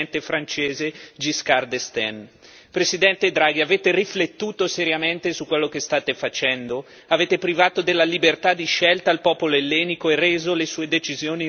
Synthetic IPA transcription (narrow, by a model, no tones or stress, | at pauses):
nt̪efɾant͡ʃeːzed͡ʒiskard̪est̪ɛn | pɾesid̪ɛnt̪ed̪ɾaːɡiaveːt̪eriflet̪ːuːt̪oseɾjament̪esukːwelːok̟est̪aːt̪efat͡ʃɛnd̪o | aveːt̪epɾivaːt̪od̪elːalibert̪ad̪iʃɛlt̪aːlpɔːpoloelːɛːnikoereːzolesuːed̪et͡ʃizjoːni